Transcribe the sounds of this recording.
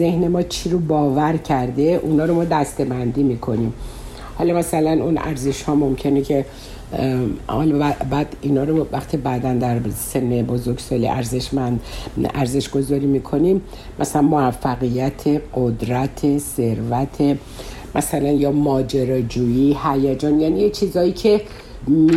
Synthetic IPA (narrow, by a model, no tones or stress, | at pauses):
zehne̞mɒːt͡ʃʰiɾobɒːvæɾcʰæɾd̪eʔunɒːɾomɒːd̪æst̪e̞bænd̪iːmiːkʰo̞niːm | hɒːlɒmæsælænunæ̰ɾze̞ʃhɒːmo̞mcʰe̞necʰe̞ | hɒ̰lbæbæd̪iːnɒːɾovæxt̪ʰibæd̪ænd̪æɾse̞mːebozoɾɡsɒːlḭʔæ̰ɾze̞ʃmænd̪æ̰ɾze̞ʃɡ̥o̞zɒːɾiːmiːkʰo̞nim | mʔæsælænmoæfːæɣijæt̪ʰeɡod̪ɾæt̪ʰese̞ɾvæt̪ʰe | mʔæsælænjɒːmɒːd͡ʒeɾɒːd͡ʒuːihæjæd͡ʒɒːnjænijet͡ʃʰizɒːiːcʰe̞ | m